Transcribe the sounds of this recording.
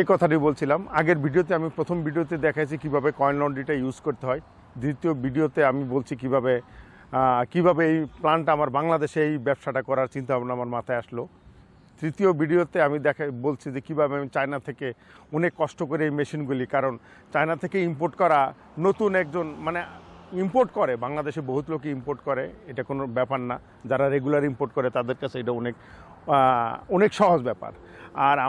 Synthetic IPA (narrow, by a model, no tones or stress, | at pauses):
ejkɔt̪ʰaʈ̬ibolt͡ɕʰilamaɡeɾbʱiɖiot̪̬eamipɾot̪ʰombʱiɖijot̪̬ed̪ɛkʰajt͡ɕʰikibʱabekɔjnlɔɳɖiʈajuzkoɾt̪eɦɔe | d̪ɾit̪iobʱiɖiot̪eamibolt͡ɕʰikibʱabe | kibʱabeejplaɳʈaamaɾbaŋlad̪eʃeejbɛbʃaʈakɔɾaɾt͡ɕint̪abʱabonamaɾmat̪ʰajaʃlo | d̪̥ɾit̪iobʱiɖiot̪eamid̪ɛkʰbolt͡ɕʰid͡ʑekibʱabeamit͡ɕajnat̪ʰeke | ɔnekːɔʃʈokoɾeejmeʃinɡulikaɾon | t͡ɕajnat̪ʰekeimpoɾʈkɔɾa | not̪unɛk̚d͡ʑonmaneimpoɾʈkɔɾebaŋlad̪eʃeboɦut̪lokeimpoɾʈkɔɾeejʈakonobɛpaɾna | d͡ʑaɾaɾeɡulaɾimpoɾʈ̚kɔɾet̪ad̪eɾkat͡ɕʰeejʈaonek | ɔnekʃɔɦod͡ʑbɛpa̰ɾ | aɾa